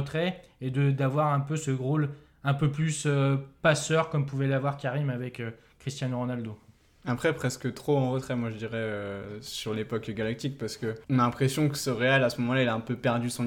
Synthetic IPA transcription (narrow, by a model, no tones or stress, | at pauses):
t̪χɛed̪əd̪avwaʁɛ̃pøsəʁol | ɛ̃pøplysøpasœʁkɔmpuvɛlavwaʁkʲaʁimavɛkø | χist̪jãnʁɔnald̪o | apχɛpχɛskət̪χoɑ̃ʁət̪χɛmwaʒəd̪iʁɛøsyʁlepɔkɡalak̚t̪ik̚paʁsə̥kəɔ̃nalɛ̃pχesjɔ̃kəsəʁealasəmɔmɑ̃lailaɛ̃pøpɛʁd̪ysɔ̃